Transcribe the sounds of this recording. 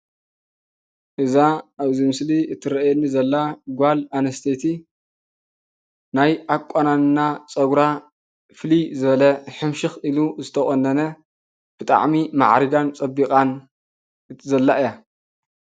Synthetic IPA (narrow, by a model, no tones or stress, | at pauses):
ʔɨzaaβzimɨsliɨt̪ʰːɨɾɐjenːizɐlːaɡʷalanɐst̪ʰet̪ʰi | najʔakʷʼːananɨnat͡sʼɐɡɾa | flizɨβɐlɐħɨmʃɪxiluzɨt̪ʰɐχʼonːɐnɐ | b̥ɨt̪ʼa̰ʕmima̰ʕɾiɡant͡sʼɐbːikʼan | ɨzɐlːaɨja